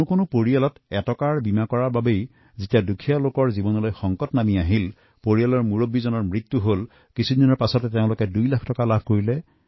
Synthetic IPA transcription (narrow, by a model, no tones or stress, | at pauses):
ʊkonʊpoɹialɔtɛtɔkaɹbimakɔɹaɹbabej | zitijadukʰialokɔɹzibɔnɔlojxɔŋkɔtnamiaɦil | poɹialɔɹmuɹobizɔnɔɹmɹit̪ːuɦol | kisʰudɔnɔɹpasɔtɛteʊ̃lʊkɛdujlakʰtɔkalab̚ʱkoɹilɛ